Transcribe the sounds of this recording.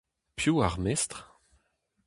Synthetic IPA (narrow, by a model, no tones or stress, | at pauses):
pjuaʁmɛst̪χ